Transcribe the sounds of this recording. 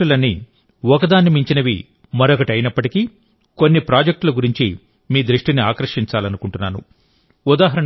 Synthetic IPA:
ulɐnːi | ɔkɐd̪aːnɐmiɲt͡ʃinɐʋḭ | mɐɾokɐʈɐjnɐpːɐʈiki | konːipɾaːd͡ʒɐk̚ʈlɐɡuɾiɲt͡ʃḭ | miːd̪ɾuʂʈiniaːkɾɐʂiɲt͡ʃaːlɐnukuɳʈunːaːnṵ | ud̪aːɦɐɾɐ

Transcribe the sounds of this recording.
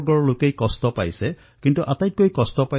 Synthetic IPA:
ɡɔɹɔlokejkɔst̪ɔpa̰jse | kint̪uʔat̪ajt̪̚koikɔst̪ɔpa

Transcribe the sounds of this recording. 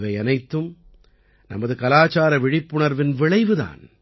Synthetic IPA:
ʋɐɪɐnɐɪt̪ːɯm | nɐ̰mɐðɯkɐlaːt͡ʃaːɾɐʋɪɻɪpːʊɳɐɾʋɪnʋɪɭɐɪʋɯða̰ːn

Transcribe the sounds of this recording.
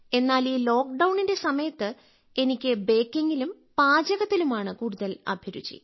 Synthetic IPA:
e̞nːaːliːlo̞ːkɖɐwɳinde̞sɐmɐjɐt̪ːɨ | e̞nikʲːɨbe̞ːkːeŋɡilum | paːd͡ʑɐɣɐt̪ːilumaːɳɨkuːɽuðɐlɐ̰bʱjɐɾṵt͡ɕːḭ

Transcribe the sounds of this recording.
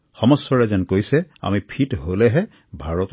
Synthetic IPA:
xɔmɔsːɔɹɛzɛnkojsɛa̰mipʰitɦolɛɦɛ | bʱaɹɔt

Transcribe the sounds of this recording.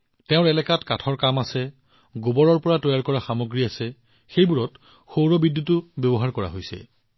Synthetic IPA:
tɛʊ̃ɹɛlɛkatkatʰɔɹkamasɛ | ɡobɔɹɔɹpɔɹatɔjaɹkɔɹaxamoɡɹiasɛ | xejbuɹɔt | xowɹɔbidːutʊbɔbɔɦaɹkɔɹa̰ɦojsɛ̰

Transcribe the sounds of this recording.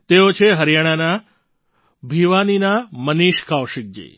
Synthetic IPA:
t̪eot͡ʃʰeɦəɾjaɽ̃ana | bʱiʋaninaməniʃkʰawʃɪk̚d͡ʒḭ

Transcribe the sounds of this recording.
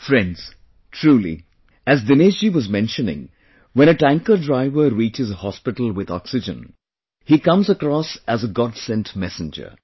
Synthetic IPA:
fɹɛ̃ndz̥ | tʰɹuːlḭ | æzdɪned͡ʒiʋʌzmɛ̃nʃənɪ̰̃ŋ | wɛ̃nɨʈæ̃ŋkədɹaɪʋəɾiːt͡ʃɪzəhɔspɪʈəl̩ˠwɪðɔ̰ksɪd͡ʒə̰̃n | hikʌ̃mzəkɾɔsæzəɡɑdsɛ̃ntmɛsɨ̃nd͡ʒə̰˞

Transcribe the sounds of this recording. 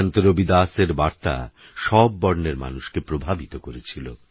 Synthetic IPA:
nt̪oɾobid̪aseɾbaɾt̪a̰ | ʃɔbbːɔɾneɾma̰nuʃkepɾobʱabit̪okoɾet͡ɕʰilo

